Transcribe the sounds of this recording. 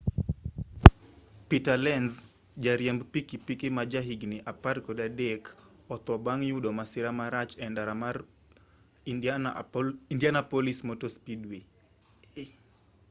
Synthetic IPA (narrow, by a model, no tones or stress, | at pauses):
pitalɛnz | d͡ʒaɾjɛmbpikipikimad͡ʒaɦiɡnɪʔapaɾkɔdadek | ɔt̪ɔbaŋjudomasɪɾamaɾat͡ʃɛndaɾama | indjanapolismotospidwi